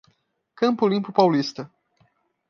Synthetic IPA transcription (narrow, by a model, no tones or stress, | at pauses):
kɐ̃mpʊlĩpʊpawlist̪ɐ